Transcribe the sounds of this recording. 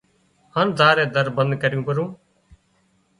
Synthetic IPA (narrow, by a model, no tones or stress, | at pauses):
haːnd̪ʱaːɾẽːd̪əɾbənd̪kəɾɪjũːpəɾũː